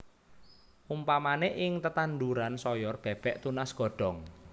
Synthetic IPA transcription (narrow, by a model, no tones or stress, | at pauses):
ʔumpamaneʔɪŋt̪ət̪and̪uɾansɔjɔrb̥ɛ̤b̥ɛ̤ʔt̪unasɡ̥ɔ̤ɖ̥ɔ̤ŋ